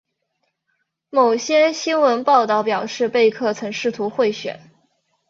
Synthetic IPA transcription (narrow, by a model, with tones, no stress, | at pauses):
mo˨˩ʊɕjɛ˥ɕi˥nwə˧˥npɑ˥˧ʊt̪ɑ˥˩ʊpjɑ˨˩ʊʂɻ̩˥˧pe˥˧ɪkʰɤ˥˩t͡sʰɤ˧˥ŋʂɻ̩˥˩t̪ʰu˧˥xwe˥˩ɪɕɥɛ̰˨˩˦n